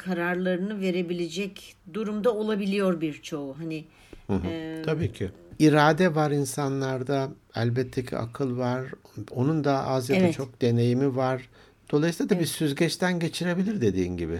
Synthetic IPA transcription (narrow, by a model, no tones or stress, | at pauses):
kʰaɾaɾlˠaɾɯnɯve̞ɾe̞bilʲed͡ʒɛcd̪uɾumd̪ao̞lˠabilʲijo̞ɾbiɾt͡ʃʰo̞uɦanɪ | hɯ̃ɦ̪ʰabiːcʰɪ | iɾaːd̪ɛvaɾinsanlˠaɾd̪a | æ̰lʲbɛt̪ʰːe̞cʰḭʔa̰kʰɯlˠvaɾo̞nund̪aazjad̪at͡ʃʰo̞k̚d̪e̞ne̞jimivaɾ | d̪̥olˠajsilʲˠad̪abisyzɟɛt͡ʃt̪ʰænɟe̞t͡ʃʰiɾe̞bilʲiɾd̪e̞d̪iːnɟibɪ